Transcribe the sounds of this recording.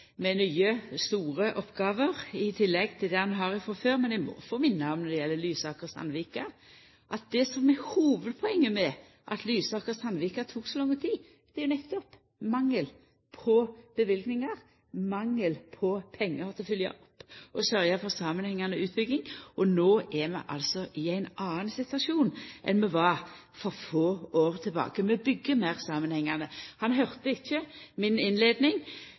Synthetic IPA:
mɛnyːəst̪uːʁəʔɔpːɡɑːʋəʁɪt̪ʰɪlːɛɡt̪ʰɪld̪ɛhɑnɦɑʁɪfɔføːɾmɛnd̪ɛɪmɔ̰foːmɪnːɑɔmnɔɾd̪ɛjɛlːəlyːsɑːkəʁsɑ̰nʋiːkɑ | ʔɑt̪̚d̪ɛsɔmɛhuːʋəd̪pʰɔɛŋːəmɛ | ʔɑ̰t̪lyːsɑːkəsɑnʋɪkɑt̪ʰuːksɔlɑŋːət̪ʰiː | d̪̥ɛjʊnɛt̪ːɔp | mɑŋːəl | pʰɔb̥əʋɪlɡnɪŋɑʁ | mɑŋːəlpʰɔpʰɛŋːəɾt̪ʰɪlfʏljɑ̰ʔɔpːʔɔsœʁjɑfɔʁsɑːmənhɛŋːɑnəʉːt̪̚bʏɡ̪ɪŋʔɔnoːʔɛmɛ̰ʔɑ̰lsɔʔɪæɪnɑːnsɪt̪ʋɑʂuːnʔɛ̰nmɛʋɑ | fɔʁfoːoːʁt̪ʰɪlbɑ̰ːkəmɛbʏɡːəmæɪʁsɑːmənhɛŋːɑnəhɑnɦœʁt̪əɪçːəmɪnɪnleːd̪nɪŋ

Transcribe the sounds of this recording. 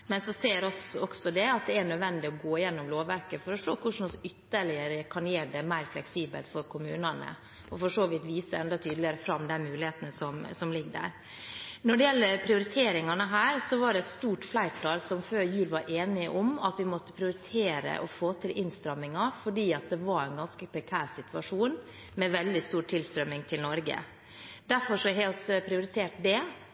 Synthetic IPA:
mɛnsɔseːɾɔsɔksɔd̪ɛɑt̪̚d̪ɛæɳœd̪ʋɛnd̪ɪɔɡoːɪjɛnːɔmloːʋæɾkəfɔɾɔʂoːkʰʊʂn̩ɔsʏt̪ːəɭɪəɾəkʰɑnjeːɖɛmæɪɾflɛksiːbə̰lt̪fɔɾkʰʊmʉːnɑnə̰ | ɔfɔʂoːʋɪt̪ʋiːsəɛnd̪ɑt̪ʰyːd̪lɪəɾəfɾɑmːd̪ɛnmʉːlɪheːt̪nəsɔmsɔmlɪɡːɖ̪æ̰ɾ | nɔɖɛjɛlːəɾpʰɾɪʊɾɪt̪ʰeːɾɪŋɑnəɦæːɾsɔʋɑɖɛst̪uːʈflæɪʈʰɑːlsɔmføːɾjʉːlʋɑɾʔeːnɪəʔɔmɑt̪ʋɪmɔt̪ːəpʰɾɪʊɾɪt̪ʰeːɾə̰ʔɔfoːt̪ʰɪlʔɪnst̪ɾɑmːɪŋɑfɔɖiːɑt̪̚d̪ɛʋɑɾæɪnɡɑnskəpʰɾɛkʰæːɾsɪt̪ʰʉɑʂuːn | mɛʋɛld̪ɪst̪uːʈʰːɪlst̪ɾœmːɪŋt̪ʰɪlnɔɾɡə̰ | d̪æɾfɔʂɔɦɛːɔspʰɾɪʊɾɪt̪ʰeːʈd̪ɛ

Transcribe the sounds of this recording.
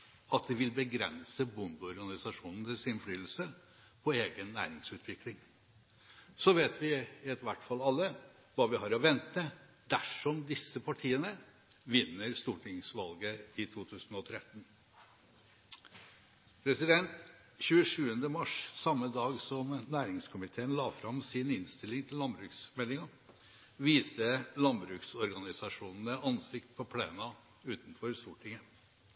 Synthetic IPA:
ɑt̪̚d̪ɛʋɪlbəɡɾɛ̰nsəbʊnd̪ɔɾɡɑnɪsɑʂuːnn̩t̪ɪsɪnflyːl̩sə | pʰɔeːɡənːæ̰ːɾɪŋsʉːt̪ʰʋɪklɪŋ | sɔʋeːt̪ʋɪɪɛt̪ʋæʈːfɑlɑlːə | ʋɑʋɪhɑːɾɔʋɛnt̪ə | d̪̥æʂɔmd̪ɪsːəpʰɑʈʰiːənə | ʋɪnːəɾst̪uːʈʰɪŋsʋɑlɡəɪt̪ʰuːt̪ʰʉːsn̩ɔt̪ʰɾɛt̪n̩ | pʰɾɛsɪd̪ɛnt̪ | çʉːəʂʉːənd̪əmɑʂsɑmːəd̪ɑːɡsɔmnæːɾɪŋskʰʊmɪt̪ʰeːənlɑːfɾɑmsɪnɪnst̪ɪlːɪŋt̪ʰɪllɑnbɾʉːksmɛlɪŋɑ | ʋiːst̪əlɑnbɾʉːksɔɾɡɑnɪsɑʂuːnn̩əʔɑnsɪkt̪̚pʰɔpʰleːnɑ | ʉːt̪n̩fɔɾst̪uːʈʰɪŋə

